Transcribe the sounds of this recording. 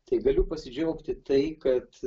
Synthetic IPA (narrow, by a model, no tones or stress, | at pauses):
t̪ɐɪɡɐlʲʊpɐsʲɪd͡ʒʲɛːkt̪ʲɪt̪ɐɪkɐt̪